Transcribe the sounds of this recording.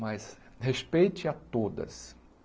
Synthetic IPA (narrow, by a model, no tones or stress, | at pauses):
mɐjshespejt͡ʃɪat̪od̪ɐ̰s